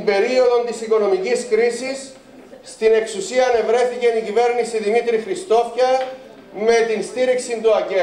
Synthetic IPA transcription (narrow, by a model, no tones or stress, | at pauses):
be̞ɾio̞ðo̞nt̪isiko̞no̞miciskɾisisː | t̪ine̞ksusiɐːne̞vɾe̞θice̞nicive̞ɾnisiðimit̪ɾixɾist̪o̞fçɐ | me̞t̪inst̪iɾiksint̪uɐce